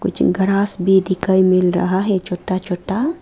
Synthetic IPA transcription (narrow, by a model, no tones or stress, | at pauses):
kʊ̰t͡ʃɡɐɾaːsbid̪ikːajmɪlɾɐ̰ɦaɦɛt͡ʃoʈːat͡ʃoʈːa